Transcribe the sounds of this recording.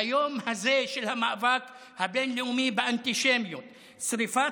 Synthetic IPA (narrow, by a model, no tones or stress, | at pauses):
ajoːmhazeʃɪlhamaʔvaːk | habeːnliumiːbɪʔant̪iʃemjut̪ | sɾifa